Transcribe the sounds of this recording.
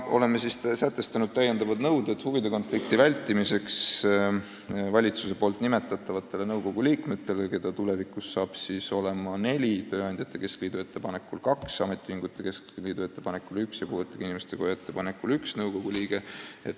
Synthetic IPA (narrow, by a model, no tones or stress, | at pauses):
ʔo̞̰le̞mːesist̪sæt̪ːˑe̞st̪ɑnud̪̥̚t̪æjːe̞nd̪ɑvɑd̪nɤwd̪et̪huvid̪e̞ko̞nflik̚t̪ivælʲt̪ːˑimise̞ks | vɑlʲit̪suse̞po̞ːlt̪nime̞t̪ːˑɑt̪ːˑɑvɑt̪ːˑe̞le̞nɤwɡo̞ɡ̥uliːkme̞t̪ːˑe̞leke̞d̪̥ɑt̪ule̞vikˑusːɑːb̥siso̞le̞mɑne̞lʲit̪ø̞ːɑnʲd̪̥ʲjɑt̪ːˑe̞ke̞skliːd̪̥ue̞t̪ːe̞pɑne̞kːulkɑksɑme̞t̪ːˑihiŋɡ̥ut̪ːˑe̞ke̞skliːd̪̥ue̞t̪ːe̞pɑnekːˑulyksjɑkuːvet̪ːˑɑɡ̥inimest̪e̞kojoet̪ːˑe̞pɑnekːˑulyksnɤwko̞ɡ̥uliːɡe̞et̪